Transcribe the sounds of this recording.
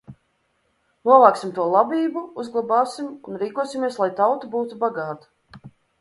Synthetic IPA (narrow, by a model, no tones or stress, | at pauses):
nuɔvˠaːksʲimt̪uɔlˠabiːbuuzɡlˠabaːsimunɾiːkuɔsimʲiɛslˠajt̪awt̪ubuːt̪ubaɡɑːt̪ḁ